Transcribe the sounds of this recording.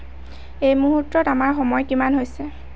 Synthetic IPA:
ejmuɦutːɔtamaɹxɔmɔjkimanɦojsɛ

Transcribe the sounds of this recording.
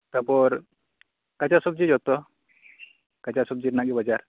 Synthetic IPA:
t̪əpoɾ | kat͡ɕasub̚d͡ʑid͡ʑɦot̪o | kat͡ɕasub̚d͡ʑiɾnaɡibəd͡ʑaɾ

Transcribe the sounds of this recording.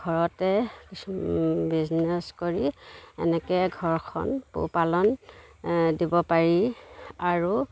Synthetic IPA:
ɡʱɔɹɔtɛkibiznɛskoɹiɛ̰nɛkɛɡʱɔɹkʰɔ̰npṵpalɔn | dibɔpaɹiaɹu

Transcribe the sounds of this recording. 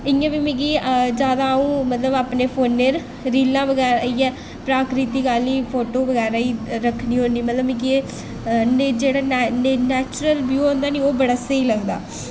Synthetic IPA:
ɪãːbiːmẽɡiːd͡ʒjaːd̪aːũːmət̪ləbaːpneːpʰoːnːeːɾ | ɾiːlãːʋəɡɛːɾaiːɛ̃ː | pɾaːkɾɪt̪iːkaːliːpʰoːʈoːʋəɡɛːɾaːiːɾəkʰniːɦõnd̪iːmət̪ləbĩkie | nd͡ʒeːɽaːnnɛːt͡ʃɾəlbjuːõːnd̪aːniːoːbəɽaseiːləɡd̪a̰ː

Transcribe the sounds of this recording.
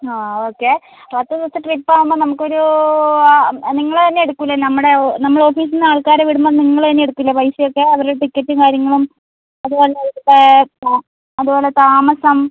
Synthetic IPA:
aːoːkːe | pɐt̪ːɐt̪ost̪ɐʈripːaːʋumːoːnɐmukːo̞ɾu | niŋːɐɭt̪ɐnːeeɽukːuilːɐnɐmːɐɽenɐmːɐɭo̞ːfiːs̬inːaːɭkaːɾeʋiɽumbɐniŋːɐɭt̪ɐnːeeɽukːuilːɐpɐjsɐjokːe̞ɐʋɐɾɽʈikːɐtːumkaːɾjɐŋːɐɭum | ɐðubo̞ːleɐuʈːe | ɐðupo̞ːle̞t̪aːmɐsɐm

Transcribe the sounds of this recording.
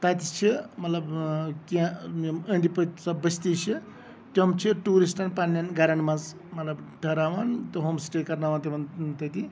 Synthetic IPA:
t̪ɐt̪it͡ʃʰimɐt̪lɐbkiaməɳɖipɐt̪sɐbɐst̪it͡ʃʰi | t̪ʲomt͡ʃʰiʈuːɾisʈɐnpanːjɐnɡɐɾɐɳmɐz | mɐt̪lɐbʈʰɐɾaːʋant̪ɨɦoːmsʈekɐɾnaːʋant̪iʋɐnt̪ɐt̪i

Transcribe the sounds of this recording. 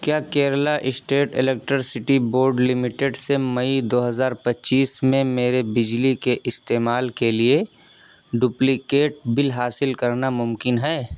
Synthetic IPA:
kjaːkeːɾəlaʔɪsʈeːʈɪleːk̚ʈɾəɾsɪʈiboːɾɖlɪmɪʈeɖsemɐid̪oːɦɐzaːɾpɐtːʃiːsmẽmeːɾebɪd͡ʒlikeʔɪst̪eːmaːlkelie | ɖuːplikeːʈ̚bɪlɦaːsɪlkɐɾnamʊmkɪnɦɛː

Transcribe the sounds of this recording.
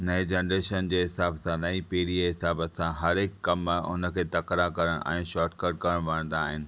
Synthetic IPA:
nɐed͡ʑeːnɾeːʃənd͡ʑeːɦɪsaːbsãnɐipiːɽieɦɪsaːbəsãɦɐɾɪkkɐmʊ̰nə̆kʰeːt̪ɐkɾakɐɾəɽ̃ʔɛ̰̃ːʃaːʈkəɾɖ̚kɐɾəɽ̃ʋɐɽə̃nd̪aːɦɪnɪ̆

